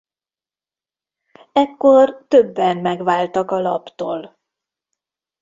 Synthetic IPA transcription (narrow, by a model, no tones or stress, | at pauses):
ɛkːo̞rt̪øbːɛnmɛɡʋaːlt̪ɒkɒlɒpt̪oːl